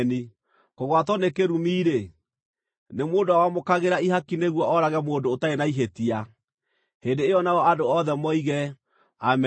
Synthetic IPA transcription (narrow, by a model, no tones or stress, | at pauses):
ni | koɣwatɔnekeɾumiːɾe | nemoːndowawamokaɣeɾaiɦakineɣwɔʔɔɾaɣɛmoːdoːtaenaiɦetia | heːndeːɔnaɔadoɔðɛmɔiɣɛ | am